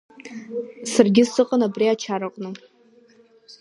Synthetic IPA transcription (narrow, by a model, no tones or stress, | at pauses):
sarɡʲɪsɨqʼənabriat͡ʃʰaɾɨqʼnɨ